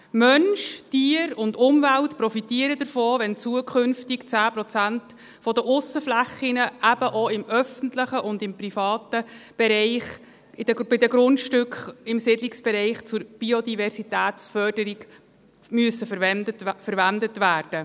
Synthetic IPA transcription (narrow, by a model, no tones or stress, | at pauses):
mœnʃtiəɾʊndʊmvæltprɔfitiəɾəd̪əɾfoːʋɛnt͡suəkʰχɵnftɪkt͡sæːprɔt͡sænt | fɔdəʔʊsəflæχːinəʔæb̥əʔoɪmœfəntləχəʔʊndɪmprifɑːt̪əb̥ɛɾɛɪχ | ɪd̥əb̥ɪdəɡɾʊntʃtʏkχɪmsɪdlɪksb̥ɛɾɛɪχt͡sʊɾb̥iod̪ivɛrsitæːtsfœrd̥əɾiɡ | myəsːəfəfəɾʋændətʋæːrd̥ə